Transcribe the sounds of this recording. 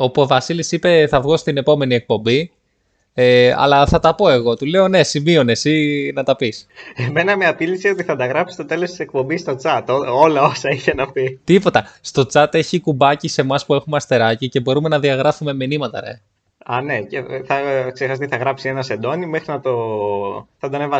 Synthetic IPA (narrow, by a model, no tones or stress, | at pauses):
opovɐsilisipe̞θɐvɣost̪ine̞po̞me̞nie̞k̚po̞mbi | eɐ̰lɐθɐt̪ɐpo̞e̞ɣo̞t̪ule̞o̞ne̞simio̞ne̞sinɐt̪ɐpiseme̞nɐmeɐp̪ilisiot̪iθɐnd̪ɐɣɾɐpsi̥st̪o̞t̪e̞lost̪i̥sek̚po̞mbist̪o̞t͡sɐt̪oo̞lɐosɐiçe̞nɐpit̪ipo̞t̪ɐst̪o̞t͡sɐt̪e̞çikubɐcise̞mɐspue̞xumeɐst̪e̞ɾɐcice̞bo̞ɾume̞nɐðiɐɣɾɐfume̞minimɐt̪ɐ̰ɾḛ | ɐne̞ceθɐksexɐsɐt̪iθɐɣɾɐpsienɐse̞nd̪o̞nimexɾinɐt̪o̞ | θɐd̪onevɐ